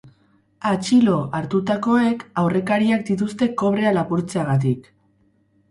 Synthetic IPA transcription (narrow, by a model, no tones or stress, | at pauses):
at͡ʃilo̞ʔaɾt̪ut̪ako̞e̞kawre̞kaɾiak̚d̪it̪̬ust̪e̞ko̞β̞ɾe̞alapuɾt͡seaɣat̪̬ik